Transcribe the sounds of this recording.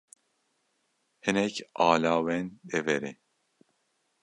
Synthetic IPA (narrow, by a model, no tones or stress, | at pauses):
hɨnɛkʰɑːlaːwɛnd̪ɛvɛɾi